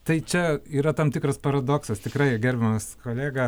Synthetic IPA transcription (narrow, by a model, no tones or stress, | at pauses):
t̪ɐɪt͡ʃʲɛiːɾɐt̪ɐmt̪ʲɪkɾɐspɐɾɐd̪oːksɐst̪ʲɪkrɐɪɡʲɛrʲbʲɛmɐskoːlʲæːɡɐ